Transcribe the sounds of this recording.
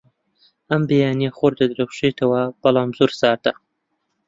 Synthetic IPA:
ʔɐmbejaːnijeχoɾd̪ɐd̪ɾɐwʃet̪ʰɐwɐb̥ɐlˠɑːmzoɾsɑːɾd̪a

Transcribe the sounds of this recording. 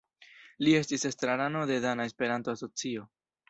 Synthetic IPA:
lie̞stise̞stɾaɾano̞de̞danae̞spe̞ɾanto̞aso̞t͡sio̞

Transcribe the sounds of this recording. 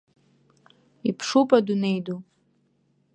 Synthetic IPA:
ipʰʂupʼadune̞jdu

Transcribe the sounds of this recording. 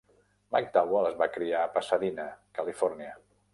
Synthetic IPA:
ma̰k̚d̪awələzβakɾiaːpəsəðinəkəlifɔrniə

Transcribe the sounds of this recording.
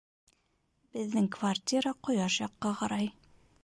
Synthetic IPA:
b̥ɘ̆ðːɘŋkvart̪ʲiɾɑqŏjɑʃjɑqːɑqɑɾɑj

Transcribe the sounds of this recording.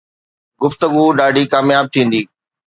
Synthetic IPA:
ɡʊft̪əɡuɗaːɖʱikaːmjaːb̚t̪ʰĩːn̆d̪iː

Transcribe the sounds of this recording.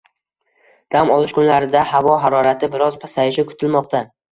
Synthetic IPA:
d̪̥amɒlˠɪʃkʰʊnlaɾɪd̪ahavɒɦaɾɒɾat̪ʰɪbɪɾɒzpʰasajɪʃɪkʰʊ̥t̪ʰɪlmɒqt̪ʰa

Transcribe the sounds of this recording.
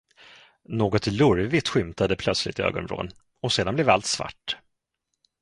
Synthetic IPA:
noːɡɔt̪lɵɾvɪt̪ɧʏmt̪ad̪əpʰlœt̪slɪ̰t̪ɪø̰ːɡɔ̰nɾo̰ːn | ɔseːd̪anblɛvalt̪sva̰ʈː

